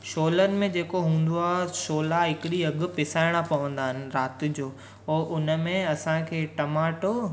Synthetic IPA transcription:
ʃoːlənɪ̆mẽd͡ʑeːkoɦũːn̆d̪oaːɦeʃoːlaɦɪkɪɗiɐɡʊ̆pɪsaːɪɽ̃apɐʋə̃nd̪aːɦɪnɪ̆ɾaːt̪ɪ̆d͡ʑoː | ɔːʔʊnə̆mẽɐsãkʰeːʈɐmaːʈo

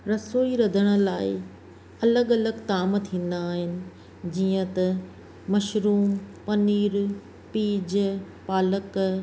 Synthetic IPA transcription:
ɾɐsoːiɾɐd̪ʱəɽ̃ə̆laːɪ | ɐləɠɐləɡt̪aːmt̪ʰĩːn̆d̪aːɦɪnɪ̆ | d͡ʑiːə̃t̪ɐ | mɐʃɾuːmpɐniːɾ | piːd͡ʑ | paːlək

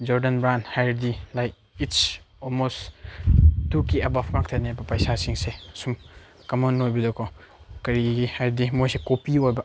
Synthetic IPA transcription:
d͡ʒɔɾdɐnbɾanhajɾdilaj | its | olmos | tukiebapʰkak̚t̪ʰaniajbɐpɐjsasiŋsesum | kɐmɔnojbidɔkʰɔkɐɾiɡihajɾdimojsekopiojbɐ

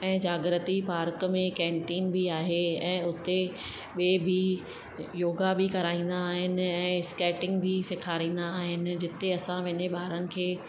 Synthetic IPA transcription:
ɛ̃ːd͡ʑaːɡɾət̪ipaːɾkmẽkɛ̃ːɳʈiːnbʱiaːɦeɛ̃ːʊt̪e | ɓeːbʱi | joːɡabʱikɐɾaːĩːn̆d̪aːɦɪnɪ̆ɛ̃ːskɛːʈɪ̃ŋɡbʱisɪkʰaːɾĩːn̆d̪aːɦɪnɪ̆d͡ʑɪt̪eɐsãʋɐɪɲeɓaːɾənɪ̆kʰeː

